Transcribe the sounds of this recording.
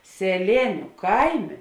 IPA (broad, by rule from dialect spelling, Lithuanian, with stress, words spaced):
sʲɛˈlʲeːnʲʊ ˈkɐɪˌmʲeː